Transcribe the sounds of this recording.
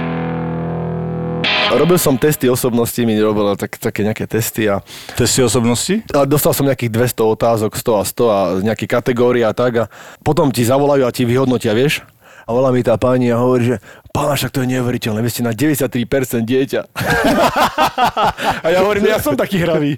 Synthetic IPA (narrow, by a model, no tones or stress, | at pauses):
ɾɔbilsɔmt̪ɛst̪iɔsɔbnɔscimiɛɾɔbilat̪akt̪akɛːɲɛakɛːt̪ɛst̪iat̪ɛst̪iɔsɔbnɔscialɛd̪ɔst̪alsɔmɲɛakiːɣd̪ʋɛst̪ɔɔt̪aːzɔkst̪ɔast̪ɔaɲɛakikat̪ɛɡɔːɾiat̪aɡapɔt̪ɔmcizaʋɔlajuaciʋiɦɔd̪nɔciaʋɪɛʃ | aʋɔlamit̪aːpaːɲiaɦɔʋɔɾiːʒɛpaːnaʃak̚t̪ɔjɛɲɛuʋɛɾicɛlnɛːʋiɛscɛnaɟɛʋɛɟɛsjat̪ːɾipɛɾt͡sɛnd̪̚ɟɪɛca | ajaɦɔʋɔɾiːmʒɛjasɔmt̪akiːɦɾaʋiː